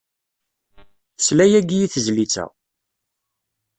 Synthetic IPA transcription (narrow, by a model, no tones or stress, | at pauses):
slæjæɡijiθəzlit͡sːæ̰